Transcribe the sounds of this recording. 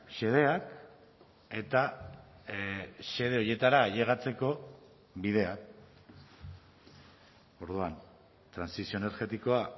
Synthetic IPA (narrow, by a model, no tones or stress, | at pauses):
ʃe̞ð̞e̞ak | e̞t̪a | ʃe̞ð̞e̞o̞je̞t̪aɾaʝe̞ɣ̞at͡se̞ko̞ | βið̞e̞ak̚ | o̞ɾðuan | t̪ɾansisio̞ene̞ɾɣe̞t̪iko̞a